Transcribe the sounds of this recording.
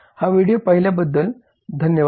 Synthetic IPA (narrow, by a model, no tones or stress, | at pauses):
haʋiɽijopəɦiljabəd̪ːəl | d̪ʱənjəʋ